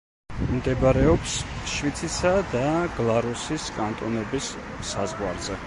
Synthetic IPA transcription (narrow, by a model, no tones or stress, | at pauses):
md̪ɛbɾɛɔpsʃvit̪sʰisad̪aɡ̥lˠaɾusiskʼant̪ʼɔnɛbisːazʁwaɾzɛ